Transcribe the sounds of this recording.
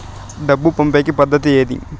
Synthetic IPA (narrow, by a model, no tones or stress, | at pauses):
ɖɐbːupɐmpeːkipɐd̪ʱːɐt̪ieːd̪ḭ